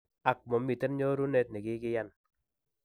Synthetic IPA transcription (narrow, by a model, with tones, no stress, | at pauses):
a˨k̚mɔ˨mːi˨tɛ˦nɲɔ˦ɾu˦ne˦t̚nɛ˨kɪ˦kɪ˦ja˦n